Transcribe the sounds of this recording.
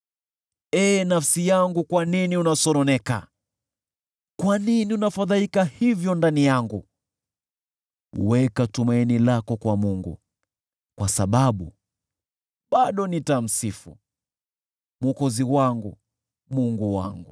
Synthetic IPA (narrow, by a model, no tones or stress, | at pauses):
ɛːnafsijaŋɡukwaniniunasɔɾɔnɛka̰ | kwaniniunafaðalikahivjɔndanijaŋɡu | ṵwɛkatumainilakɔkwamuŋɡṵ | kwasaɓaɓṵ | ɓaɗɔnitam̩sifṵ | muɔkɔziwaŋɡu | muŋɡuwa̰ŋɡu